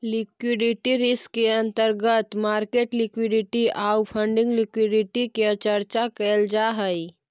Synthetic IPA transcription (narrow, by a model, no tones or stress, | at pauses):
lɪkwɪɖɪʈiɾɪskːeɐ̃nt̪əɾɡət̪maːɾkeːʈlɪkwɪɖɪʈiaːwpʰə̃ɳɖɪ̃ŋɡlɪkwɪɖɪʈiket͡ʃəɾt͡ʃakɛːld͡ʒaːɦəi